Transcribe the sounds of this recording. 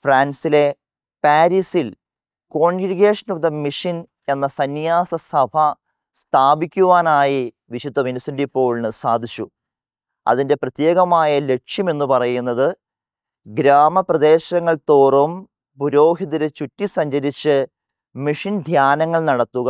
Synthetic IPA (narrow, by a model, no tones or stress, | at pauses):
fraːnsile̞ | paːɾisil | koːɳɡɾiɡeːʂɐnuðɐmːiʂin | e̞nːɐsɐnjaːsɐsɐbʱɐ | st̪ʰaːbikʲːuʋaːnaːji | ʋiɕud̪ʱːɐminɐsindipːo̞ːɭnɨsaːd̪ʱit͡ɕːu | ɐ̰ðinde̞prɐt̪je̞ːɣɐmaːjɐle̞ʈʂjɐme̞nːupɐrɐjunːɐðɨ | ɡɾaːmɐprɐd̪e̞ːɕɐŋːɐɭt̪oːrum | puɾo̞ːɦiðɐɾet͡ɕutːisɐɲd͡ʑɐɾit͡ɕːɨ | miʂind̪ʱjaːnɐŋːɐɭnɐɽɐt̪ːuɣɐ